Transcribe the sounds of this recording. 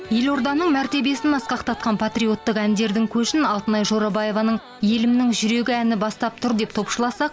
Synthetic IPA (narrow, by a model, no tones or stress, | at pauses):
je̞lo̞ɾd̪ɑnəɴmæɾt̪e̞be̞sɪnɑsqɑqt̪ʰɑt̪̚qɑnpʰat̪rio̞t̪ːəqænd̪e̞ɾd̪ɪŋkʲʰɵʃɪnɑlˠt̪ənɑjʒo̞ɾɑbɑje̞vɑnəɴ | je̞lɪmnɪŋʒʏɾe̞ɡʲɪænɪbɑst̪ɑp̚t̪ʰʊɾd̪e̞p̚t̪ʰo̞pʃəlˠɑsɑq̚